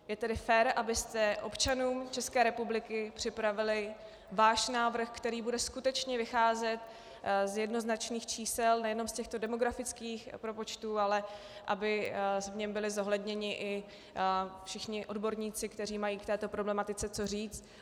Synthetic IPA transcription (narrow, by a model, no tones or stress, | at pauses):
jɛt̪ɛdɪfɛɾʔabɪst̪ɛʔo̞pt͡ʃanuːmt͡ʃɛskɛːɾɛpublɪkɪpr̝̥ɪpɾavɪlɪ | vaːʃnaːvr̩xkt̪ɛɾiːbudɛskut̪ɛt͡ʃɲɛvɪxaːzɛt̪ | zjɛdno̞znat͡ʃniːxt͡ʃiːsɛlnɛjɛno̞mscɛxt̪o̞dɛmo̞ɡɾafɪt͡skiːxpɾopo̞t͡ʃt̪uːalɛ | ʔa̰bɪsvɲɛmbɪlɪzo̞ɦlɛdɲɛɲɪʔɪ | fʃɪxɲɪʔo̞dbo̞ɾɲiːt͡sɪkt̪ɛr̝iːmajiːkt̪ɛːt̪o̞pɾo̞blɛmat̪ɪt͡sɛt͡so̞r̝iːt͡st̪